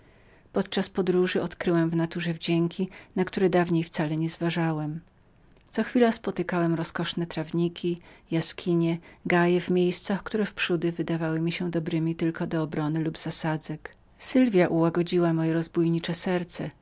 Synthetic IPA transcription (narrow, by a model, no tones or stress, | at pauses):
pɔt̪̚t͡ʂaspɔd̪ɾuʐɘɔt̪kɾɘwɛmvnat̪uʐɛvd͡ʑɛŋkʲinakt̪uɾɛd̪avɲejft̪salɛɲɛzvaʐawɛm | t̪sɔxfʲilaspɔt̪ɘkawɛmɾɔskɔʂnɛt̪ɾavɲikʲʰijaskʲiɲɛɡajɛvmʲjejst̪saxkt̪uɾɛfpʂud̪ɘvɘd̪avawɘmʲiɕɛd̪ɔbɾɘmʲit̪ɘlkɔd̪ɔːbɾɔnɘlubzasad̪zɛk | sɘlvʲjaʔuwaɡɔd͡ʑiwamɔjɛɾɔzbujɲit͡ʂɛsɛɾt̪sɛ